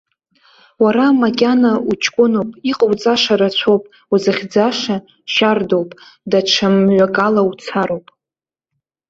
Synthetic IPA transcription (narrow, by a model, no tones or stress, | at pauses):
waɾamakʲʼanaut͡ʃʰʼkʷʼʊnowpʼiqʼəwt͡sʼaʂaɾat͡ɕʷʰowpʼ | uzaχʲd͡zaʂa | ʃardowpʼ | daʈ͡ʂʰamɥʷakʼalawt͡sʰaɾowpʼ